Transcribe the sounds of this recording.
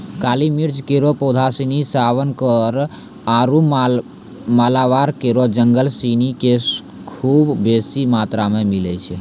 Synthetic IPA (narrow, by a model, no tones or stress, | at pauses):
kalimiɾd͡ʒkeɾopod̪ʱasinisaʋənkəɾ | aɾum | malaʋaɾkeɾod͡ʒəŋɡəlsinike | kʰubːesimat̪ɾamemilɛ̰t͡ʃʰɛ